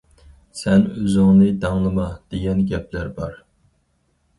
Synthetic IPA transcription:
sɛnøzɪŋnɨd̪ɑŋlˠɨmɑd̪̥eɡʲɛnɡʲɛp̚ʰlæɾbɑɾ

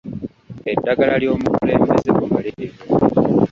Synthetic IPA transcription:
edːaɡalaljo̞ːmukule̞ːmbezeβumalee

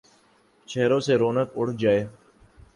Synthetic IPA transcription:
t͡ʃʰeːɾõːseːɾoːnəkʊɽ̤d͡ʒaːeː

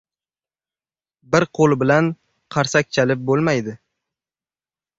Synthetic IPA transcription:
bɪɾqʰolˠbɪlan | qʰɑɾsak̚ʲt͡ʃʰalɪp̚bolˠmajd̪ɪ

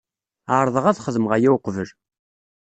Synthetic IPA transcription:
aɾˤðˤəʁæθχəðmʁæjæwqvəl

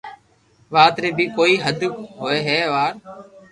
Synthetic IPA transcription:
ʋaːt̪ɾeːbiːkoːiːɦəd̪ʱɦoːeːɦeːʋaːɾ

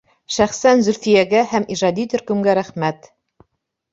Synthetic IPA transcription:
ʃæχsænzɵ̆ɾθɘ̆jæɡæhæmiʒɑd̪it̪ɵ̆ɾkɵ̆mɡæɾæχmæt̪

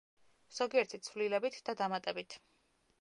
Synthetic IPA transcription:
z̥ɔɡiɛɾt̪ʰit̪sʰvlilɛbit̪ʰd̪̥ad̪amat̪ʼɛbit̪ʰ

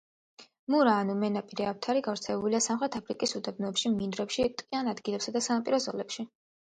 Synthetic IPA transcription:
muɾaːnumɛnapʼiɾɛaft̪ʰaɾiɡavɾt̪sʰɛɛbuliasamχɾɛt̪ʰapʰɾikʼisud̪ɛbnɔɛpʃiminɾɛpʃit̪ʼqʼianad̪ɡilɛpsad̪asanapʼiɾɔzɔlɛpʃi

